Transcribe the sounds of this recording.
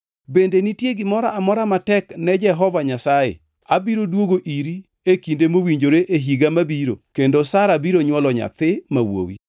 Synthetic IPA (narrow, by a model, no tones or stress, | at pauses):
bendenitjeɡɪmɔɾaʔːmɔɾamatɛknɛd͡ʒɛɦɔvaɲasajḛ | abiɾodwoɡoʔiɾi | ekindemowiɲd͡ʒoɾeʔeɦiɡamabiɾo̰kendosaɾabiɾoɲwɔlɔɲa̰t̪ɪmawo̰wḭ